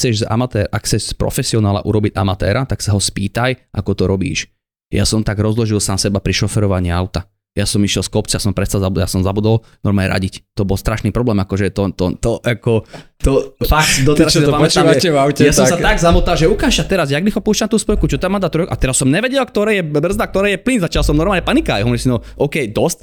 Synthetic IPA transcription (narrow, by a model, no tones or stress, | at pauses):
xt͡sɛʒza̰mat̪ɛɾʔa̰kxt͡sɛʃspɾɔ̰fɛsiɔnaːla̰ʔṵɾɔbiɟa̰mat̪ɛ̰ːɾat̪aksaɦɔspḭːt̪ajʔakɔt̪ɔɾɔbḭːʃ | ja̰sɔmt̪aɡɾɔzlɔʒilsaːmsɛbapɾiʃɔfɛɾɔʋaɲiːaʊt̪a | jasɔmiʃɪɛlskɔpt͡siasɔmpɾɛst̪alzabud̪ja̰sɔmzabud̪ɔl | nɔɾmaɲɛ̰ɾa̰ɟict̪ɔbɔlst̪ɾaʃniːpɾɔblɛːmakɔʒɛt̪ɔt̪ɔt̪ɔʔakɔ | t̪ɔfak̚t̪d̪ɔt̪ɛɾasamɔt͡ʃːaɛvawcɛjasɔmsat̪aɡzamut̪alʒɛukaːʃat̪ɛɾaz̬jaɡnixɔpuːʃt͡ʃamt̪uːspɔjkut͡ʃɔt̪amaːd̪at̪ɾɔjkʔat̪ɛɾasːɔmɲɛʋɛɟɛlk̚t̪ɔɾɛːjɛbr̩zd̪ak̚t̪ɔɾɛːjɛplinzat͡ʃalˠsɔmnɔɾmaːlɲɛpanikajaɔʋɔɾisinɔʔɔkɛjd̪ɔst